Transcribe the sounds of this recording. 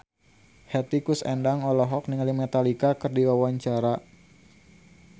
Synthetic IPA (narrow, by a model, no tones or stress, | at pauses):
hɛt̪ikusɛndaŋɔlɔɦɔk̚niŋalimɛt̪alikakɨrdiwawaɲt͡ʃaɾa